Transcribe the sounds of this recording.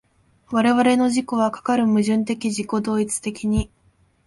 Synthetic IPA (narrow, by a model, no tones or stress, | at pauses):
βaɾe̞βaɾe̞no̞ʑiko̞βakḁkaɾɯ̟mɯ̟ʑɨ̃nt̪e̞kʲiʑiko̞d̪o̞ːit͡sɨ̥t̪e̞kʲiɲ̟i